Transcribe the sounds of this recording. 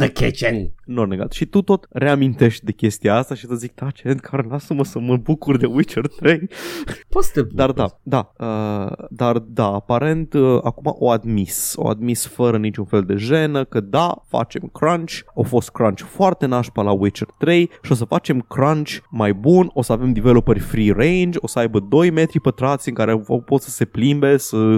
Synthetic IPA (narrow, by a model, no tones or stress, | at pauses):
d̪əkʲet͡ʃennorneɡa̰lt̪ʃit̪ut̪o̞t̪ɾe̞amint̪e̞ʃt̪̚ʲd̪e̞kʲe̞st̪iaast̪aʃisəzik̚t̪ʰat͡ʃeɾed̪kʰaɾlasəməsəməbukurd̪e̞uit͡ʃərt̪ɾejpot̪sə̥t̪ed̪ard̪ad̪aəd̪ard̪aapaɾe̞nt̪əakuma̰ʔo̞ad̪miso̞̰a̰d̪misfəɾənit͡ʃunfe̞ld̪e̞ʒe̞nəkəd̪afa̰t͡ʃe̞mkɾant͡ʃʲofo̞st̪̚kɾant͡ʃfoart̪e̞naʃpəlawit͡ʃərt̪ɾe̞jʃio̞s̬əfat͡ʃe̞mkɾant͡ʃʲmajbuno̞səave̞md̪ivelopərʲfɾirejnd͡ʒʲo̞səajbəd̪o̞jme̞t̪ɾipət̪ɾat̪sʲɨŋkaɾepo̞t̪sə̥se̞plimbe̞sə